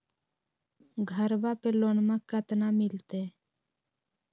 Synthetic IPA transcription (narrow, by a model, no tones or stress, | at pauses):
ɡʱəɾbapeloːnmãkət̪naːmɪlt̪eː